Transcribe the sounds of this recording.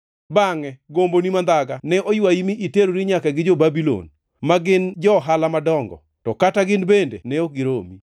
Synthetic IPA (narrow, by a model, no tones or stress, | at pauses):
baŋɛɡombonimand̪aɡanɛʔojwaimiʔiteɾoɾiɲakaɡɪd͡ʒobabilo̰n | maɡɪnd͡ʒɔɦalamadɔŋɡɔ̰ | tɔkataɡɪnbendḛnɛoɡɪɾomi